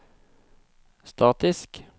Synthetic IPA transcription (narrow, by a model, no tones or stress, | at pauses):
st̪ɑːt̪ɪsk